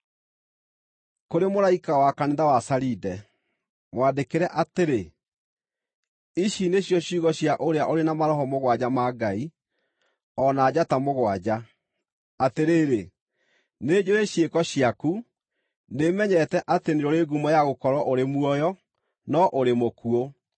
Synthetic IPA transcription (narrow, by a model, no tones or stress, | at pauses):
koɾemoɾaikawakaneðawasaɾidɛ | mwadekeɾɛʔateɾe | iʃineɕjɔɕiɣɔɕjaʔoɾeaʔoɾenamaɾɔɦɔmoɣwad͡ʑamaɡai | ɔnaːd͡ʑatamoɣwad͡ʑa | ateɾeːɾe | ned͡ʑoɾeɕjekɔɕiaku | nemɛɲɛtɛʔateneɾɔɾeːɡumɔjaɣokɔɾwɔʔoɾemuɔjɔ | nɔʔoɾemokuo